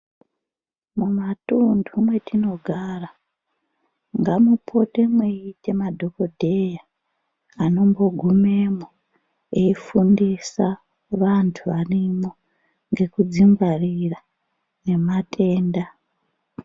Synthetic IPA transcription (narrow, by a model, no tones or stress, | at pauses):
mumatundʰumwe̞tino̞ɡʱaːra | ŋɡamupʰo̞te̞mweite̞madʱo̞ko̞dʱe̞ja | ano̞mbo̞ɡʱume̞mo | eifundisa | ʋantʰuʋarimo | ŋɡe̞kud͡ziŋɡarira | ne̞matʰe̞ːnda